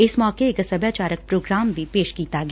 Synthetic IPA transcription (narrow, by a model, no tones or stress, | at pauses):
ɪsmɔːkeekɐsɐbjaːt͡ʃaːɾək̚pɾoːɡɾaːmbʱipeːʃkiːt̪aɡ